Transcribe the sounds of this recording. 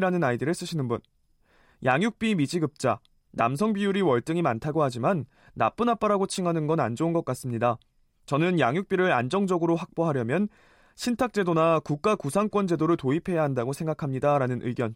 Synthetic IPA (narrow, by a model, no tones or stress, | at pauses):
ɾanɯnaidɯɾes͈ɯɕʰinɯnbun | jaŋjuk̚p͈imid͡ʑiɡɯp̚t͡ɕ͈a | nams̬ʰʌŋbijuɾiwʌɭt͈ɯŋimantʰaɡoɦad͡ʑimanː | a̰p͈ɯnap͈aɾaɡot͡ɕʰiŋanɯnɡʌna̰nd͡ʑounɡʌk͈as͈ɯmɲida | t͡ɕʌnɯnjaŋjuk̚p͈iɾɯɾa̰nd͡ʑʌŋd͡ʑʌɡɯɾoɸak̚p͈oɦaɾjʌmjʌn | ɕʰintʰak̚t͡ɕ͈e̞donakuk̚k͈akusʰaŋk͈wʌnd͡ʑe̞doɾɯɭtoipʰe̞jaɦandaɡosʰe̞ŋɡakʰamɲidaɾanɯnʔɯ̰iɡjʌn